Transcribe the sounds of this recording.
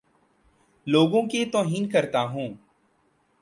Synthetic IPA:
loːɡõːket̪oːɦiːnkəɾt̪aːɦũː

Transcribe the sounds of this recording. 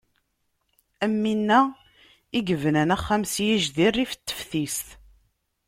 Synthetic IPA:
æmːinːæ | iɡəvənænæχːæmsijiʒðirːifə̥t̪ːə̥fθist̪

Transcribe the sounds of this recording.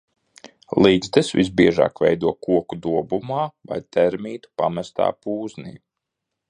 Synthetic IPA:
lˠiːd̪zd̪ɛsvḭz̬biɛʒa̰ːkvɛjd̪uɔkuɔkud̪uɔbumaːva̰jt̪ʰɛɾmiːt̪u̥pamɛst̪a̰ːpuːznḭː

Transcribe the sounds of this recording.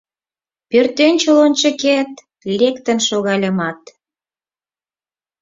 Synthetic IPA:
pørt̪ent͡ɕəlont͡ɕə̆ket̪ | iɾʲekt̪ənʃoɣɑlʲə̆mɑt̪

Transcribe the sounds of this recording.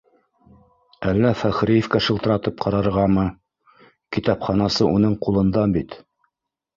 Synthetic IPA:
ælːæfæχɾijĕfkæʃɤ̆lˠt̪ɤ̆ɾɑt̪ɤp̚qʰɑɾɑɾʁɑmɤ | kit̪ɑpχɑnɑsɤʔunɤɴqulˠɤ̆nd̪ɑbit̪

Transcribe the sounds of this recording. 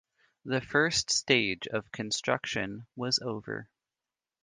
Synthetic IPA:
ðɨfɜ˞ststeɪd͡ʒʌv̥kʰɨ̃nstɹ̥ʌ̰kʃɨ̰̃nwʌzoʊvə̰˞

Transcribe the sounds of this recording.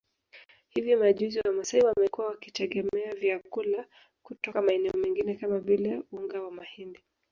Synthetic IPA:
hivimaʄuziwamasaiwamɛkuwawakitɛɠɛmɛavjakula | kutɔkamaɛnɛɔmɛŋɡinɛkamavilajuuŋɡawamahindi

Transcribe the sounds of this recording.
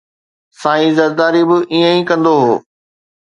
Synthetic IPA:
saːĩzɐɾd̪aːɾibɪʔiːə̃ĩkɐ̃nd̪oɦoː

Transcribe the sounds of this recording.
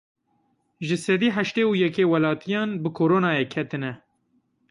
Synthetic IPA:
ʒɨsɛd̪iːɦæʃt̪eːujɛkeːwɛlɑːt̪ʰijɑːnbɨkʰoːɾoːnɑːjeːkʰɛt̪ɨnɛ

